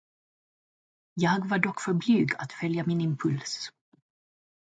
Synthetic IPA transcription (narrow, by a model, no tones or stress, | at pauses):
jɑːɡvaɖɔkːfœɾblyːɡa̰t̪fœljamɪnɪmpʰɵls